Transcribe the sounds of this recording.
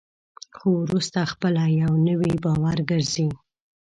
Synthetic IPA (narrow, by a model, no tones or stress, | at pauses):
xowɾust̪axpəlajawnəwibɑwaɾɡəɾzi